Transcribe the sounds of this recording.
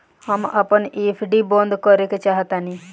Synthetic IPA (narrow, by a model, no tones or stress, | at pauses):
hamapənepʰɖibɔ̃nd̪kɔɾeket͡ʃaɦt̪ani